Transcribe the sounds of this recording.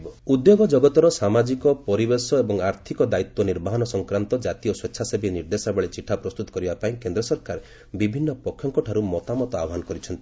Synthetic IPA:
ɔud̪joɡɔd͡ʒɔɡɔt̪ɔɾɔsamad͡ʒikɔpɔɾibesɔebɔŋaɾt̪ʰikɔd̪ait̪wɔniɾbaɦɔnɔsɔŋkɾant̪ɔd͡ʒat̪ijɔswetːʃʰasebiniɾd̪esabeɭet͡ʃiʈʰːapɾɔst̪ut̪ɔ̥kɔɾibapaĩkend̪ɾɔsɔɾkaɾ | bibʱinːɔpɔkʰjɔŋkɔʈʰaɾumɔt̪amɔt̪ɔabɦanɔkɔɾit͡ʃʰɔnt̪i̥

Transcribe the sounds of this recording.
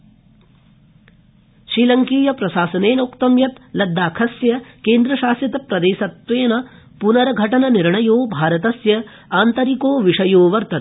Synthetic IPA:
ʃɾiːlɐŋkiːjɐpɾɐʃaːsɐneːnoːkt̪ɐmjɐt̪lɐd̪ːaːkʰɐsjɐkeːnd̪ɾɐʃaːsjɐt̪ɐpɾɐd̪eːsɐt̪ʋeːnɐ | punɐɾɐɡʱɐʈɐnɐniɾɳɐjoːbʱaːɾɐt̪ɐsjɐ | aːnt̪ɐɾikoːʋiʂɐjoːʋɐɾt̪ɐn

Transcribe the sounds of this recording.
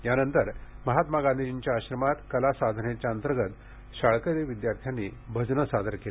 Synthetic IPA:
janənt̪əɾməɦat̪maɡãnd̪id͡ʑiɲt͡ɕjaːɕɾəmat̪kəlasad̪ʱnet͡ɕjaənt̪əɾɡət̪ | ɕaɭkəɾiʋid̪jaɾt̪ʰjanːiːbʱəd͡znəsad̪ʱəɾke

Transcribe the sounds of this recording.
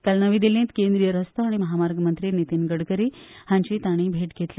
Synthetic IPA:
kəlnəʋiːd̪ilẽt̪kend̪ɾijəɾəst̪oaɽ̃iməɦamaɾɡmənt̪ɾinit̪iːnɡəɽkəɾiːhãɲt͡ɕiːt̪aɽ̃iːbʱeʈɡʱet̪li

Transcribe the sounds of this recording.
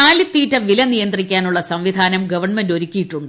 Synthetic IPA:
aːlit̪ːiːtːɐʋilɐnijɐnd̪rikʲːaːnuɭːɐsɐmʋid̪ʱaːnɐmɡɐʋɐɳmendo̞ɾukʲːijiʈːuɳɖɨ

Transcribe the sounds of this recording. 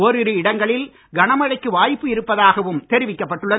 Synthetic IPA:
ɔɾɪɾɯɪɽɐŋɡɐɭɪl | ɡɐnɐmɐɻɐɪkːɯʋaːjpːɯɪɾɯpːɐðaːɣɐʋɯmt̪ɛɾɪʋɪkːɐpːɐʈːɯɭːɐ

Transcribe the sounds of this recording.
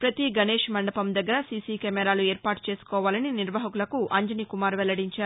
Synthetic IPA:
pɾɐt̪iɡɐneːʃmɐɳɖɐpɐmd̪ɐɡːɐɾɐsisikɛmɛɾaːlue̞ːɾpaːʈu̥t͡ʃe̞ːsu̥kɔːʋaːlɐniniɾʋɐɦɐkulɐkuʔɐɲd͡ʒɐnikumaːɾʋɛlːɐɽiɲt͡ʃaːɾu

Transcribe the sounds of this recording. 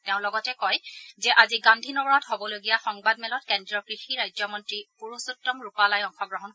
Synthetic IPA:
tɛʊ̃lɔɡɔtɛkɔjzɛʔaziɡãndʱinɔbɹathobɔloɡijaxɔŋbadmɛlɔtkɛndɹɔkɹixiɹajzɔmɔntɹipuɹusutːɔmɹupalajɔŋxɔɡɹɔɦɔn

